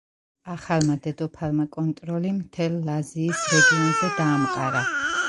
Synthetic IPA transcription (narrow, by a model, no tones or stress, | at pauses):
aχalmad̪ɛd̪ɔpʰalmakʼɔnt̪ʼɾɔlimt̪ʰɛlːaziːsɾɛɡinanzɛd̪aːmqʼaɾa